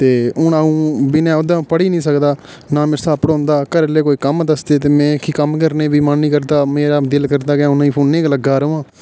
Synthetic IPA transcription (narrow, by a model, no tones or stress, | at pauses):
t̪eːʊnaũːbɪnãːod̪ãːpəɽiːnĩːsəkd̪aː | nãːmɪɾsaːpəɽõːnd̪aːkəɾleːkoːiːkəmd̪əsd̪eːt̪eːmɛ̃ːkiːkəmkəɾneːbiːmənːĩːkəɾd̪aːmeːɾaːd̪ɪlkəɾd̪aːkɪjãːʊnãːĩːpʰoːnneːkləɡːaːɾoːãː